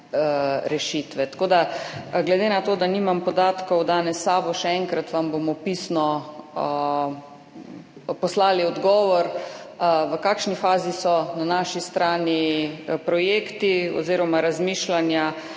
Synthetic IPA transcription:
ɾɛʃit̪ʋɛt̪ḁkoːd̪aɡlɛd̪enat̪oːd̪aniːmampɔd̪aːt̪kɔwd̪aːnɛsːaːbɔʃɛɛŋkɾat̪ʋambomɔpisnɔ | pɔslaːliɔd̪ɡɔːʋɔɾ | ʋəkaːkʃnifaːzisɔnanaːʃist̪ɾaːnipɾɔjeːkt̪iɔ̰ziːɾɔmaɾazmiːʃlanja

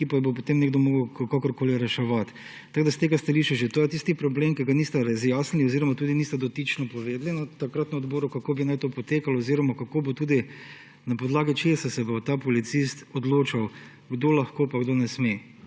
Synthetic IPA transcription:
kipabopot̪emnɛɡd̪omoːɡəʊkkakɔɾkoːliɾɛʃɛʋat̪ː | aɡd̪ast̪eːɡast̪ɐliʃiʒet̪oːjɛt̪ist̪ipɾɔbleːmkɛɡanist̪aɾazjaːsniɔziɾɔmat̪uːd̪inist̪ɛd̪ɔt̪it͡ʃnɔpɔʋeːd̪linat̪akɾat̪nɔɔd̪boːɾukakoːbinajt̪oːpɔt̪eːkalɔɔziːɾɔmakakoːbot̪uːd̪i | napɔd̪laːɡit͡ʃesasɛbot̪apɔlit̪sist̪ɔd̪loːt͡ʃaw | ɡd̪olɐxkoːpaɡd̪onɛsme

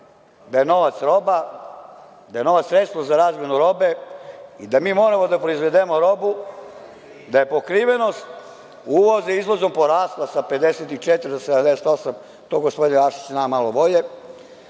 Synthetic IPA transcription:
d̪aje̞no̞ʋat̪sɾo̞ba | d̪aje̞no̞ʋat̪sɾet̪st̪ʋozaɾaːzmʲjenuɾo̞be̞id̪amiːmo̞ːɾamo̞d̪apɾoizʋe̞d̪emo̞ɾo̞bu | d̪aje̞po̞kɾiʋe̞no̞st̪ | uʋozeizlozo̞mpo̞ɾaːst̪lˠasape̞d̪eset̪it͡ʃet̪ɾed̪osed̪amd̪ese̥t̪o̞sam | t̪oɡospod̪ineaʃi̥t͡ɕnaːmalobo̞ʎe

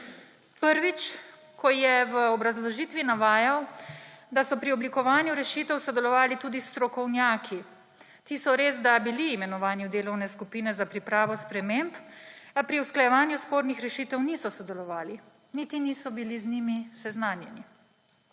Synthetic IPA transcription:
pəɾʋit͡ʃ | kɔjɛʋəɔbɾazlɔʒiːt̪ʋinaʋaːjawd̪asɔpɾiɔblikɔʋaːnjuɾɛʃiːt̪ɛwsɔd̪ɛlɔʋaːlit̪uːd̪ist̪ɾɔkɔwnjaːkʰi | t̪isɔɾeːzd̪abiliːmɛnɔʋaːnjud̪eːlɔwnɛskupiːnɛzapɾipɾaːʋɔspɾɛmempapɾiusklajɛʋaːnjuspoːɾnixɾɛʃiːt̪ɛwnisɔsɔd̪ɛlɔʋaːli | nit̪iniːsɔbiliznimisɛznaːnjɛni

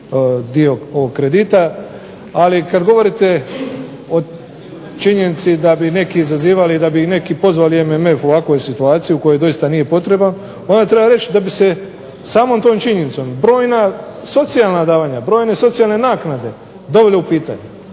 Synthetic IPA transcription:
d̪io̞o̞ʋo̞ɡkːɾe̞d̪it̪a | alikad̪ɡo̞ʋo̞ɾit̪e̞ | o̞ | t͡ʃiɲe̞nit̪sid̪abine̞kiːzaziːʋalid̪abine̞kipo̞zʋaliememe̞fo̞ʋakʋo̞jsit̪uaːt̪sijuko̞jo̞jd̪o̞jist̪anije̞po̞t̪ɾeban | o̞nd̪at̪ɾe̞baɾe̞t͡ʃd̪abise̞ | saːmo̞ːmt̪oːmt͡ʃiɲe̞nit̪so̞mbɾo̞ːjnaso̞t̪sijalˠnad̪aːʋaɲabɾo̞ːjne̞so̞t̪sijalˠne̞naːknad̪e̞ | d̪o̞ʋe̞leupiːt̪a̰ɲe

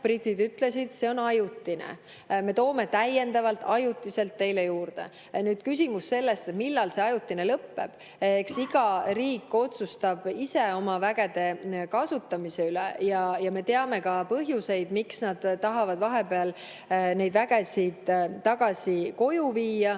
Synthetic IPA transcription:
prit̪ːid̪yt̪ˑle̞sid̪̥se̞o̞nɑjut̪ːinḛ | me̞t̪o̞ːme̞t̪æje̞nd̪ɑvɑlt̪ːˑɑjut̪ːˑise̞lt̪ːe̞jlejuːɾd̪̥e̞̰ | nyːd̪̥kys̬ʲimusːe̞lːe̞st̪et̪milːɑlse̞ɑjut̪ːine̞lɤpːe̞̰b̥ | eksiɡ̥ɑɾiːkːo̞t̪sust̪ɑb̥ise̞o̞mɑvæɡ̥e̞d̪̥e̞kɑsut̪ːɑmise̞ylḛjɑjɑme̞t̪eɑme̞kɑpɤɦjuse̞jd̪̥miksnɑd̪̥ːɑɦɑvɑd̪vɑɦe̞peɑl | ne̞jd̪̥væɡ̥e̞sid̪̥t̪ːɑɡ̥ɑsʲiko̞juviːjɑ

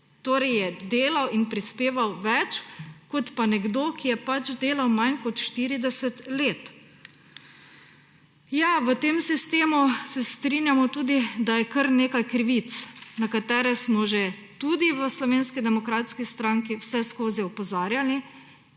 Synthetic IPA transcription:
t̪oːɾɛjjɛd̪eːlawinpɾispeːʋawʋɛt͡ʃkɔt̪panɛɡd̪oːkijɛpat͡ʃd̪eːlawmankɔt̪ʃt̪iɾid̪ɛsɛt̪leːt̪ | jaʋət̪eːmsist̪eːmusɛst̪ɾinjamɔt̪uːd̪id̪ajɛkəɾneːkajkɾiʋit̪snakat̪ɛːɾɛsmɔʒet̪ud̪iʋəslɔʋeːnskid̪ɛmɔkɾaːt̪skist̪ɾaːŋkiwsɛskoːziɔpɔzaːɾjali

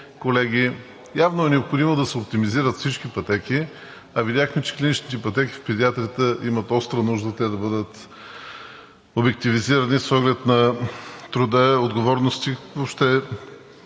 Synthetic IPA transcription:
kolɛɡʲi | javnoɛnɛopxod̪imod̪ɐsɛop̚t̪imiziɾət̪fsit͡ʃkipɐt̪ɛkʲi | ɐvidʲaxmɛt͡ʃɛ̥klʲinit͡ʃnit̪ɛpɐt̪ɛki̥fpɛd̪iat̪ɾʲiət̪əʔimɐt̪ɔst̪ɾənuʒd̪ət̪ɛd̪ɐbɤd̪ət̪ | obɛk̚t̪iviziɾɐnisɔɡlɛt̪nɐt̪ɾʊd̪əod̪ɡovɔɾnost̪ivopʃt̪ɛ

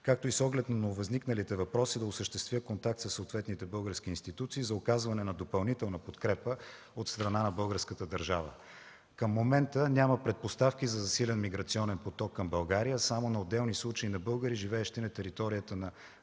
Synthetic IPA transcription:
kak̚t̪oisɔɡlɛt̪nɐnoʊvɐzniknəlit̪ɛvɐpɾɔsid̪ɐʊsəʃt̪ɛst̪vʲjəkont̪ak̚t̪səsːot̪vɛt̪nit̪ɛbɤlˠɡəɾskʲiːnst̪it̪ut̪siːzɐokazvɐnɛnɐd̪opɐlˠnit̪ɛlˠnəpot̪kɾɛpə | ot̪st̪ɾɐnanɐbɤlˠɡəɾskət̪əd̪əɾʒavə̰ | kəmːomɛnt̪ənʲaməpɾɛt̪̚post̪afk̟ʲizɐzɐsilɛnmiɡɾɐt̪siɔnɛnpot̪ɔkːɐmbɐlˠɡaɾijəsamonɐod̪ːɛlˠnislˠut͡ʃəinɐbɤlˠɡəɾiʒivɛːʃt̪inɐt̪ɛɾit̪ɔɾijət̪ənɐ

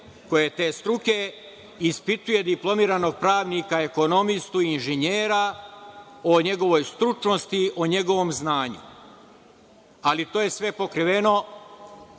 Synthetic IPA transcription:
ko̞jet̪e̞ːst̪ɾuke̞ | ispit̪uje̞d̪iplˠo̞miːɾano̞ɡ̚pɾaːʋnikaeko̞no̞mist̪uinʒeɲeːɾa | oɲe̞ɡo̞ʋo̞jst̪ɾut͡ʃno̞st̪ioɲe̞ɡo̞ʋo̞mznaːɲṵ | alit̪o̞ːje̞sʋe̞po̞kɾiʋe̞no̞

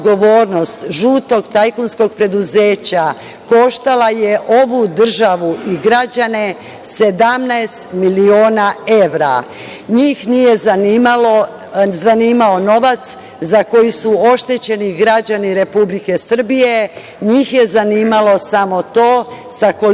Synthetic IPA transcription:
ɡo̞ʋo̞ːɾno̞st̪ʒuːt̪o̞ɡt̪ajkunsko̞ɡ̚pɾe̞d̪uzeːt͡ɕa | ko̞ʃt̪alaje̞ʔo̞ʋud̪r̩ʒaʋuʔiɡɾad͡ʑane̞ | se̞d̪amnaest̪milio̞ːnae̞ʋɾa̰ | ɲiːxnije̞zaimalo | zaniːmao̞no̞ʋat̪s | zako̞jusuo̞ʃt̪e̞t͡ɕe̞niɡɾad͡ʑaniɾe̞publike̞sr̩bije̞ | ɲiːxje̞zaniːmalo̞samo̞t̪o̞ːsako

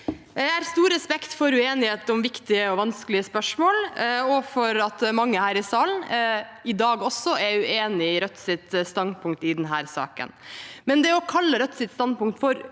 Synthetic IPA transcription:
ææːɾst̪uːɾːɛspɛkt̪fɔɾʉeːnɪheːt̪əɔmʋɪkt̪ɪəɔʋɑnsklɪəspœʂmoːlɔfɔɾɑt̪mɑŋːəhæːɾɪsɑːln̩ɪd̪ɑːɡɔsːɔʔɛɾʉeːnɪɾœt̪ːsɪt̪st̪ɑnd̪̚pʰʊŋkt̪ɪd̪ɛnɦæːɾsɑ̰ːkə̰nmɛnd̪ɛɔkʰɑlːəɾœt̪ːsɪt̪st̪ɑnd̪̚pʊŋkt̪fɔɾ

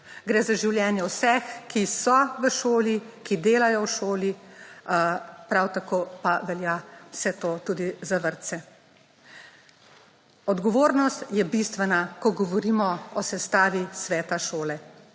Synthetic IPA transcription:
ɡɾɛːzaʒiwljɛːnjɛwsɛxkisɔʋəʃoːlikid̪eːlajɔwʃoːli | pɾawt̪akoːpaʋɛljawsɛt̪oːt̪uːd̪izaʋəɾt̪sɛ | ɔd̪ɡɔʋoːɾnɔst̪jɛbist̪ʋɛnakɔɡɔʋɔɾiːmɔɔsɛst̪aːʋisʋɛːt̪aʃoːlɛ

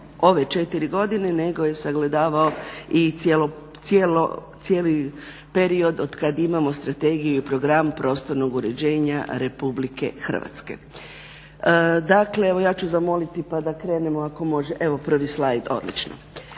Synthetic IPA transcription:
o̞ʋe̞t͡ʃe̞t̪iɾiɡo̞d̪ine̞ne̞ɡo̞je̞saɡle̞d̪aːʋaoielo | sjelo̰ | sjeːli | pe̞ɾio̞d̪o̞d̪̥kad̪imamo̞st̪ɾat̪e̞ɡijuipɾo̞ɡɾampɾo̞ːst̪o̞ɾno̞ɡuɾe̞d͡ʑe̞ːɲa̰ɾe̞publike̞̰xr̩̰ʋa̰t̪ske̞̰ | d̪akle̞e̞ʋojaːt͡ʃuzamo̞lit̪ipad̪akɾe̞ːne̞moako̞mo̞ʒeʔe̞ʋo̞pr̩ʋislajd̪o̞̰d̪lḭt͡ʃno̰

